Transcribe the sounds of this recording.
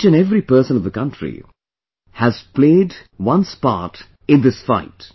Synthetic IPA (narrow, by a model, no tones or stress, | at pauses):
t͡ʃɨ̃nɛvɾipɜ˞sə̃nʌvðəkʌ̃ntɹḭ | hæz̥pleɪdwʌ̃nspa̰ːt | ɪ̃nðɪsfaɪt